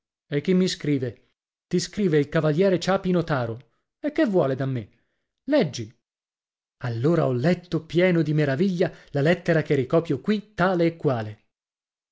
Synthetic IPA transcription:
ekːimːiskɾiːve | t̪iskɾiːveilkavaljɛːɾet͡ʃaːpinot̪aːɾo | ekːevːwɔ̰ːled̪amːe | lɛd͡ʒːi | alːoːɾaɔlːɛt̪ːopjɛːnod̪imeɾaviʎːalalɛt̪ːeɾak̟erːikɔːpjokwit̪ːaːleːkːwaːle

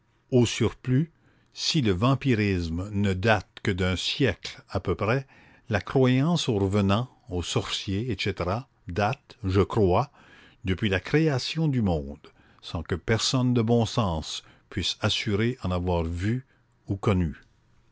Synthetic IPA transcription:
osyʁply | siləvɑ̃piʁismnəd̪at̪kəd̪ɛ̃sjɛklapøpʁɛ | lakχwajɑ̃soʁəvənɑ̃ | osɔʁsjeːʃet̪eʁa | d̪at̪ʒəkχwa | d̪əpɥilakχeasjɔ̃d̪ymɔ̃ːd̪ | sɑ̃kəpɛʁsɔnd̪əbɔ̃sɑ̃ːs | pɥisasyʁeʔɑ̃navwaʁvy | ukɔny

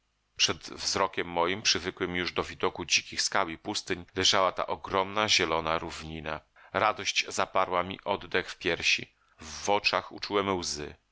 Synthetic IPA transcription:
pʂɛd̪vzɾɔkʲɛmːɔjimpʂɘvɘkwɘmjuʐd̪ɔvʲid̪ɔkud͡ʑikʲixskawipust̪ɘɲlɛʐawat̪a̰ʔɔɡɾɔmnaʑɛlɔnaɾuvɲina | ɾad̪ɔɕd͡ʑzapaɾwamʲḭʔɔd̪d̪ɛxfpʲjɛɾɕḭ | vːɔt͡ʂaxṵt͡ʂuwɛmwzɘ̰

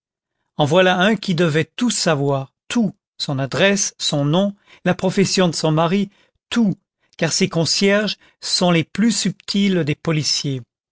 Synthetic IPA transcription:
ɑ̃vwalaɛ̃kʲid̪əvɛt̪usavwaːʁt̪ʰu | sɔ̃nad̪ʁɛsːɔ̃nɔ̃ | lapχɔfɛsjɔ̃d̪əsɔ̃maʁi | t̪u | kaʁsekɔ̃sjɛʁʒ | sɔ̃leplysypt̪ʰild̪epɔlisje

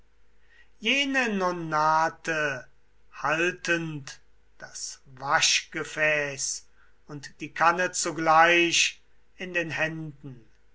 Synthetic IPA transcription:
jeːnənonaːtʰə | haltənt | d̥asvaʃɡ̥əfɛːs | ʊntd̥iːkʰanət͡suɡlaɪʃ | ɪndeːnɦɛndn̩

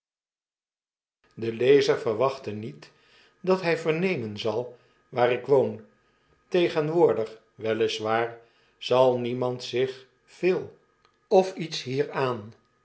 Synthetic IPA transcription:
dəlejzəɹvəɹʋɑχtənit | dɑtɦɛjvəɹnejmənzɑlˠ | ʋaːrɪkʋown | tejχənʋʊːɹdəχ | ʋɛlɪsʋaːɹ | z̥ɑlˠnimɑntsɪχ | v̥ɪːlˠ | ɔfitsɦiːɹaːn

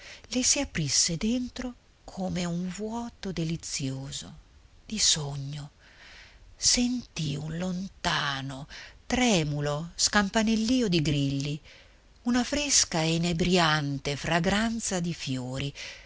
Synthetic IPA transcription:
lesiapɾisːed̪ent̪ɾo | kʰoːmeuɱvwɔːt̪od̪elit̪sːjoːzo̰ | d̪̥isoɲːo | sent̪iunlont̪aːnot̪ɾɛːmuloskampanelːiːod̪iɡɾilːi | unafɾeskaenebɾjant̪efɾaɡɾant̪sad̪ifjoːɾi

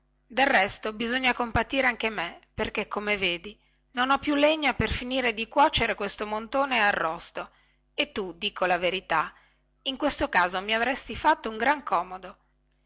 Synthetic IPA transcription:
d̪elrɛst̪obizoɲːakompat̪iːɾeaŋk̟emeperkekʰːomeveːd̪i | nonɔpːjuleɲːaperfiniːɾed̪ikwɔt͡ʃeɾekwest̪omont̪oːnearːɔst̪o | et̪ːud̪iːkʰolaveɾit̪a | iŋkwest̪okaːzomiavɾɛst̪ifat̪ːouŋɡɾaŋkɔːmod̪o

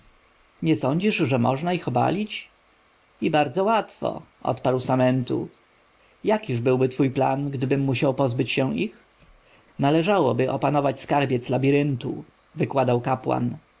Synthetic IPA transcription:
ɲɛsɔɲd͡ʑiʐʐɛmɔʐnaixɔba̰lʲit͡ɕ | ibaɾd̪zɔwat̪fɔ̰ʔɔ̰t̪paɾwsamɛnt̪ṵ | jakʲiʐbɘwbɘt̪fujpla̰nɡd̪ɘbɘmːuɕawpɔzbɘt͡ɕɕɛ̃ix | nalɛʐawɔbɘʔɔ̰panɔvat͡ɕskaɾbʲjɛt̪slabʲiɾɘnt̪ṵ | vɘkwad̪awkapwa̰n

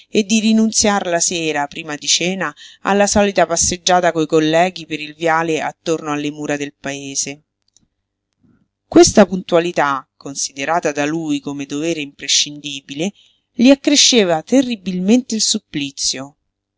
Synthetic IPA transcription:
ed̪ːiɾinunt̪sjarlasɛːɾapɾiːmad̪it͡ʃɛːnaa̰lːasɔːlit̪apasːed͡ʒːaːt̪akojkolːɛːɡipeɾilvjaːleat̪ːornoalːemuːɾad̪elpaeːze | kwest̪apunt̪ualit̪akːonsid̪eɾaːt̪ad̪alujkomed̪ovɛːɾeimpɾeʃːind̪iːbile | liakːɾeʃːeːvat̪erːibilment̪eilsupːlit̪sːjo

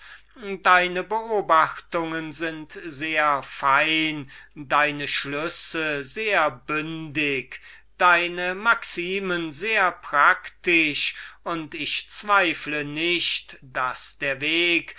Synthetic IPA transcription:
daɪnəbəoːbaxtʊŋənzɪntzeːɐfaɪndaɪnəʃlʏsəzeːɐbʏndɪk | d̥aɪnəmaksiːmənzeːɐpʁ̥aktɪʃʊntɪʃt͡sv̥aɪflənɪʃtd̥asd̥eːɐveːk

